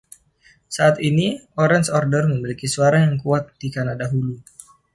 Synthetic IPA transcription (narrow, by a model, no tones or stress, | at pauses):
saat̪iniɔɾɛnsɔrdərməmilikisuaɾajaŋkuat̪̚d̥ikanadaɦulu